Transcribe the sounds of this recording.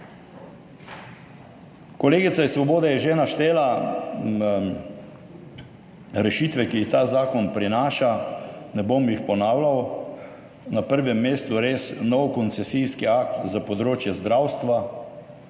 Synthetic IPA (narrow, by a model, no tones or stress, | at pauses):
kɔleːɡit̪saisːʋɔboːd̪ɛjɛʒɛnaʃt̪eːla | ɾɛʃiːt̪ʋɛkiːxt̪aːzaːkɔnpɾinaːʃanɛbomjixpɔnaːwlaw | napəɾʋɛmːeːst̪uɾeːsnɔwkɔnt̪sɛsijskiak̚t̪zapɔd̪ɾoːt͡ʃjɛzd̪ɾawst̪ʋa